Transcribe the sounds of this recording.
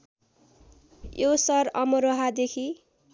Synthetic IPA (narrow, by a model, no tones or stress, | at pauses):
josʌɾʌmʌɾoɦad̪ekʰi